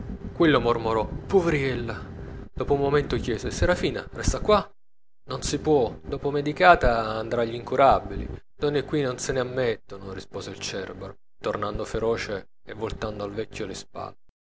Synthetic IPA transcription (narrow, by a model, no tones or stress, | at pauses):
kwelːomormoɾɔpoveɾiɛlːad̪ɔːpoumːoment̪okjɛːzeseɾafiːna̰rɛst̪akwa | nonsipwɔd̪ɔːpomed̪ikaːt̪aːnd̪ɾaʎːiŋkuɾabːilḭ | d̪ɔnːekːwinonsɪneamːet̪ːonorispɔːzeilt͡ʃɛrbeɾ | t̪ornand̪ofeɾɔːt͡ʃe | evːolt̪and̪oalvɛkʲːolɪspa̰lːe